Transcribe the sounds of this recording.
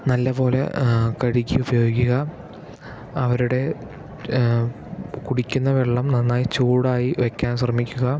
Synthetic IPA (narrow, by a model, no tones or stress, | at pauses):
nɐlːɐbo̞ːle̞̰kɐɻikʲːiubɐjo̞ːɡʲːuɣɐ | ɐʋɐɾuɽe̞ | kuɽikʲːunːɐʋeɭːɐmnɐnːaːjit͡ɕuːɽaːjiʋekʲːaːnɕ̬rɐmikʲːuɣɐ